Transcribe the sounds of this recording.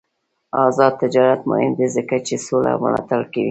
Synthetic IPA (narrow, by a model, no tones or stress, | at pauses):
ɑzɑd̪̚t̪ɪd͡ʒɑɾat̪mʊ̰hɪmd̪ezəkat͡ʃesola̰wə̰lɑt̪aɽkewi